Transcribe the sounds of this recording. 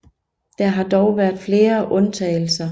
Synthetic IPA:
d̥ɑɦɑ̈d̥ɒʊʋæɐ̰d̥fle̝ːɐʔɔ̽nt͡sʰɛɪl̩sɐ

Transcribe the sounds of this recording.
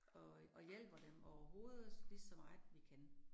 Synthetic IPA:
ɒ̽ʔɒ̽jel̰b̥ɐd̥emɒʊɐɦo̝ːð̞ˠslid̥sɒmɑ̈ɪʋikʰæn

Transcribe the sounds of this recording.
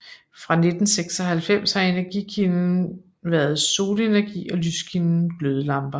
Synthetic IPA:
fʁɑ̈ne̝d̥n̩seɡ̥sɒ̽ɦælfem̰shɑ̈e̝næɐɡ̥ikʰinn̩ | ʋæɐð̞ˠso̝ːle̝næɐɡ̥ḭːɒ̽lyskʰinn̩ɡ̥løð̞ˠəlɑ̈mb̥ɐ

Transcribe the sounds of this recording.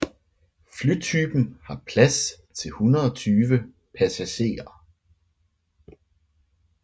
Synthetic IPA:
flyt͡sʰyb̥n̩hɑ̈pʰlæst͡sʰe̝lhunɐð̩ˠɒt͡sʰyːʋə | pʰæsæɕe̝̰ːɐ

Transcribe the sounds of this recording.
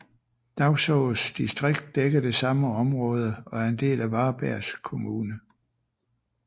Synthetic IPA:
d̥ɑ̈ʊsɔʊsd̥isd̥ʁeɡ̥̚d̥ːeɡ̥ɐd̥e̝sɑ̈məɒ̽mʁɔ̽ːð̞ˠəɒ̽æɐend̥e̝̰ːlæʋɑ̈ːb̥æɐ̰skʰo̝muːnə

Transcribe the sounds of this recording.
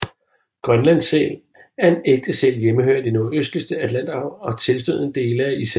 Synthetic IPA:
ɡ̥ʁɶnlæn̰sɛ̰ːl | æɐe̝neɡ̥̚d̥əsḛːljeməhø̰ɐ̰d̥e̝no̝øsd̥ləsd̥əæd̥læn̰d̥ɑ̈ʊ̰ɒ̽t͡sʰe̝lsd̥ø̰ð̰ˠəd̥e̝̰ːləæis

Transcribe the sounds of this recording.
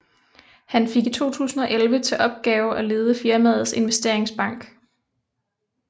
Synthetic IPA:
hænfe̝ɡ̥it͡sʰo̝̰ːt͡sʰṵːsn̩ɒ̽ʔelʋət͡sʰe̝ʔɒ̽b̥̚ɡ̥ɛːʊʔæle̝ːð̞ˠəfiɐmæð̰ˠð̩ˠse̝nʋesd̥e̝ɐ̰eŋsb̥ɑ̈ŋ̰ɡ̥

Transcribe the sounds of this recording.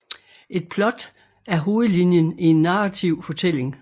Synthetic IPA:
ʔe̝d̥̚pʰlɒ̽d̥ | æɐɦo̝ːð̞̩ˠlinjənie̝nːɑ̈ʁɑt͡sʰiʊ̰fɒ̽t͡sʰel̰e̝ŋ

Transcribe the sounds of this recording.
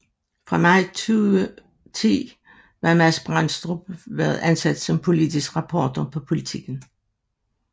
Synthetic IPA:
fʁɑ̈mɑ̈ɪt͡sʰy | t͡sʰḭː | ʋɑ̈mæsb̥ʁɑn̰̥sd̥ʁub̥ʋæːɐð̞̩ˠænsæd̥sɒ̽mpʰo̝lid̥isɡ̥ʁɑ̈pʰɒ̰ːd̥ɐpʰɒ̽pʰo̝lit͡sʰiɡ̥n̩

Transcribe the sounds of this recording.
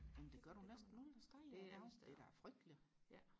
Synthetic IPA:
jemnd̥e̝ɡ̥ɶɐɾunesd̥n̩ːoːl̩ˠd̥æsd̥ɑ̈ɪæd̥e̝ɾ̥ææɐfʁœɡ̥̚d̥li

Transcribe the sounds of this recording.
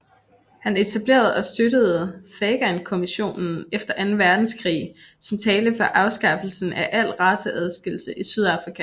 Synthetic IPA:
hæne̝t͡sʰæb̥le̝̰ːɐð̞̩ˠɒ̽sd̥ødəð̞̩ˠfeːɡ̥ænkʰo̝miɕo̝̰ːnn̩efd̥ɐʔænn̩ʋæɐd̥n̩skʰʁḭːsɒ̽mt͡sʰɛːləfɒ̽ʔɑ̈ʊsɡ̥ɑ̈fl̩sn̩æʔæl̰ʁɑ̈səʔæð̞ˠsɡ̥e̝lsəʔisyð̞ˠɑ̈fʁikʰæ

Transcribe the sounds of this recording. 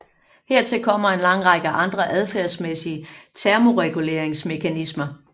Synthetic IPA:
heɐt͡sʰe̝lkʰɒ̽m̰ɐe̝nlɑ̈ŋ̰ʁɑɡ̥əʔɑ̈nd̥ʁɐʔæð̞ˠfæɐsmesiət͡sʰæɐmo̝ʁɛɡ̥ule̝ːɐeŋsme̝kʰænismɐ

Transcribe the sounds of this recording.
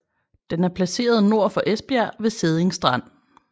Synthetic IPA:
d̥enæɐpʰlæse̝̰ːɐð̞̩ˠno̝ɐ̰fɒ̽ʔesb̥æɐʋe̝se̝ð̞ˠeŋsd̥ʁɑ̈n̰

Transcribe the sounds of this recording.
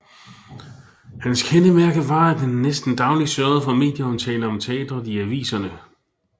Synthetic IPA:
hænskʰenəmæɐɡ̥əʋɑ̈æ̥enːesd̥n̩d̥ɑ̈ʊlisœɐð̞̩ˠəfɑ̈me̝ːd̥jəɒ̽mt͡sʰɛ̰ːləɒ̽mt͡sʰe̝ɛ̰ːd̥ɐiæʋḭːsɐnə

